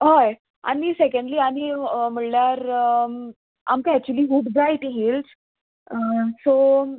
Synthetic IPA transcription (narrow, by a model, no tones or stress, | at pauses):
ɦaj | a̰nisekəɳɖliːañim̤əɭljaɾ | a̰mkaæk̚t͡ɕuəliːɦuʈbajʈɦels | so